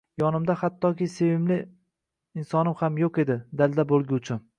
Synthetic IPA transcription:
jɒnɪmd̪ahat̪ʰːɒkʲɪse̞vɪmlɪ | ɪnsɒnɪmhamjoqe̞d̪ɪd̪ald̪abolˠɡʲut͡ʃʰɪn

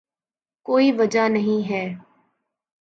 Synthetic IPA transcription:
koːiːʋəd͡ʒanəɦĩːɦɛː

